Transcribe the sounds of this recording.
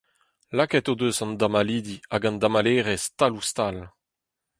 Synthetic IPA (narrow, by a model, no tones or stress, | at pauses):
lakɛt̪od̪øzɑ̃nd̪amaliːd̪iaɡɑ̃nd̪amaleːʁɛst̪alust̪al